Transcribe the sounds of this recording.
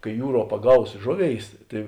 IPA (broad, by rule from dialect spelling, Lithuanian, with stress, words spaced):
kɐɪ ˈjuːˌruɔ pɐˈɡɐʊs ˈʒoːˌʋʲeːɪs ˈtɐɪ